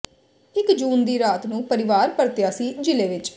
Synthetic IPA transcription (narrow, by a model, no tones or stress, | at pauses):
ɪkd͡ʒuːnd̪iːɾaːt̪nũːpəɾɪʋaːɾpəɾt̪jaːsiːd͡ʒɪleːʋɪt͡ʃ